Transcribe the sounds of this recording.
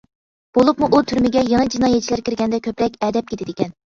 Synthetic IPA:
b̥olˠupmuʔut̪ʰyɾmɪɡʲɛjeŋəd͡ʒinɑːjɛt̪̚t͡ʃʰilæɾkʲɪɾɡʲɛnd̪ɛkʲʰøpɾɛkʲɛd̪ɛp̚kʰʲet̪ʰɪd̪ɪkʲɛn

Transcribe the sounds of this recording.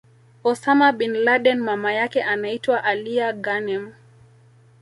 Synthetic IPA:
ɔsamaɓinlaɗɛnmamajakɛʔanaitwaʔaliaɡanɛm

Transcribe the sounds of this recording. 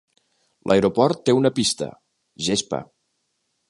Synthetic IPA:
lʔə̰eɾopɔɾt̪ːeunəpist̪ə̰ | ʒespə̰

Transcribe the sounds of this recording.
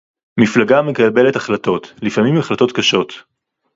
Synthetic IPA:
miflaɡamekalbe̞letaχlato̞tlifamimaχlato̞tkaʃo̞t̪

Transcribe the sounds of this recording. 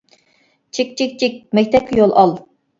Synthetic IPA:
t͡ʃʰik̚ʲt͡ʃʰik̚ʲt͡ʃʰik̚ʲmɛk̚ʲt̪ʰɛp̚kʲijolˠɑlˠ

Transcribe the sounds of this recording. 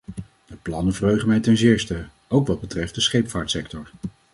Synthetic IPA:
dəplɑnənvərɦøɥχəmɛjtɛnzɪːɹstə | owkʋɑd̚bətrɛft̚dəsχejpfaːɹtsɛk̚tɔɹ

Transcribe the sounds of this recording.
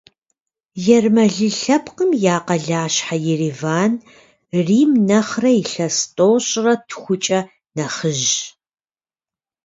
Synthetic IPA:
jɛrmɐɮɨɬɐpʰqəmjaːqɐɮaːɕħajɪriːvaːn | riːmnɐχrɐiɬɐstʼoːɕʼrɐtʰxʷʊt͡ʃʼɐ | nɐχəʒ

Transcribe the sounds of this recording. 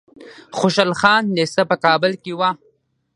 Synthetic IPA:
xoʃalxɑːnːesapəkɑːbɪlkewa

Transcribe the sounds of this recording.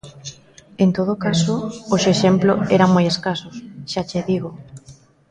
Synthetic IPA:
ent̪oð̞okasooʃeʃemploɛɾaŋmojeskasʊsʃat͡ʃeðiɣo

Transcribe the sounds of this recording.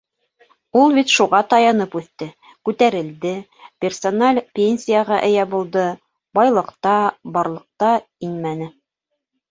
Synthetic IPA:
ulˠbit̪ʃuʁɑt̪ɑjɑnɤpʉθt̪ɘ | kʉt̪æɾɘ̆ld̪ɘ | pʲerso̞nalʲpʲenʲsʲijaʁɑʔɘ̆jæbulˠd̪ɤ | bɑjlˠɤ̆qt̪ɑbɑɾlˠɤ̆q̚t̪ɑ | inmænɘ

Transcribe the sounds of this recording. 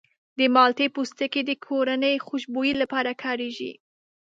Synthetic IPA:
d̪əmɑlt̪epust̪əked̪əkʰoɾanəjxʊʃbojilapɑɾakʰɑɾeʒḭ

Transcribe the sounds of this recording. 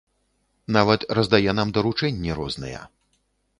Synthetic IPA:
navɐt̪rɐzd̪ajɛnamd̪ɐɾut͡ʂɛnʲːɛɾɔznɨ̰jɛ̰

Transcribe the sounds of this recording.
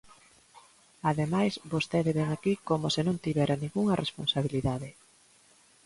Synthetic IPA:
aðemajsbost̪eðeβɛŋakikomʊsɪnõŋt̪iβɛɾʔanĩŋɡuŋɐrʔesponsaβiliðaðɪ

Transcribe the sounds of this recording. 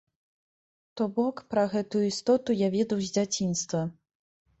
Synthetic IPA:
t̪ɔbɔkpɾɐɣɛt̪ujuist̪ɔt̪ujavʲɛd̪ɐwzʲd͡zʲat͡sʲinst̪vɐ

